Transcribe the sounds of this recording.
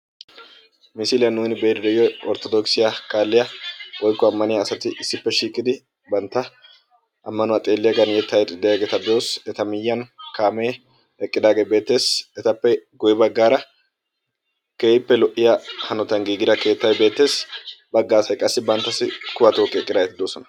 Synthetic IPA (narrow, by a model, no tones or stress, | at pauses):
mɪsilɪjɐnuːnɪbeɾd̪ɛjɔɔɾt̪ɔd̪ɔksɪjakaːlːɪjɐwʔɔjkːɔɐmːɐnɪjɐːsɐt̪ɪʔɪsːɪpːɛʃiːkʼːɪd̪ɪ | bɐnt̪ːɐ | ʔɐmːɐnʊwat̪ʼe̞ːlːɪjɐɡɐnjɛt̪ːɐjd̪ɪd̪ːɛjaːɡeːt̪ɐd̪oːsɛt̪ɐmɪjːɐnkaːmeː | ɛkʼːɪd̪aːɡebe̞ːt̪ːe̞ːsɛt̪ɐpːɛɡʊjɪbɐɡːaːɾɐ | keːɪpːɛlɔʔɪjɐhɐnɔt̪ɐnɡiːɡɪd̪ɐke̞ːt̪ːɐjbe̞ːt̪ːe̞ːsbɐɡːaːsɐjkʼɐsːɪbɐnt̪ːɐsːɪkʊbɐt̪oːkʼːɪɛkʼːɪd̪aːɡɛt̪ɪd̪oːsɔnɐ̥